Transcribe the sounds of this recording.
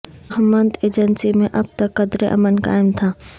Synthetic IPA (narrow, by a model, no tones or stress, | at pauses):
ɦəmə̃nd̪eːd͡ʒənsimẽʔɐb̚t̪ɐkːɐd̪ɾeʔɐ̰mənka̰ːɪmt̪ʰaː